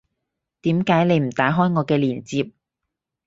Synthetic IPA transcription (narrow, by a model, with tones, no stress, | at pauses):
t̪iː˨˥mkaː˨˥jne˨˧jm̩˨˩t̪aː˨˥ɦɔː˥jŋɔː˨˧kɛː˧liː˨˩nt͡siː˧p̚